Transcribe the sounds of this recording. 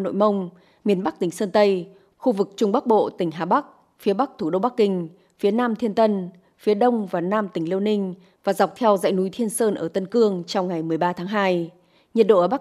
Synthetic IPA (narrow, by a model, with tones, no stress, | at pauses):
no̰˧˨jmə˧wŋ͡m | mi˧˩ənɓa˦˥k̚t̪ï˩ŋ̟səː˧nt̪ə˧j | xu˧vɨ˨˩k̚t͡ɕʊ˧ŋ͡mɓa˦˥k̚ɓo̰˧˨t̪ï˧˩ŋ̟ɦaː˨˩ɓa˦˥k̚ | fi˨˦əɓa˦˥k̚t̪ʰu˧˩ɗo˧wɓa˦˥k̚ːï˧ŋ̟ | fi˨˦ənaː˧mt̪ʰi˧ənt̪ə˧n | fi˨˦əɗə˧wŋ͡mvaː˨˩naː˧mt̪ï˧˩ŋ̟li˧əwnï˧ŋ̟ | vaː˨˩za˨˩wk͡p̚t̪ʰɛ˧wza̰ː˧˨jnu˨˦jt̪ʰi˧ənsəː˧nʔəː˧˩t̪ə˧nkɨ˧əŋt͡ɕɔ˧wŋ͡mŋa˨˩jmɨ˨˩əjɓaː˧t̪ʰaː˨˦ŋɦaː˧j | ɲə˨˩t̚ɗo̰˧˨əː˧˩ɓa˦˥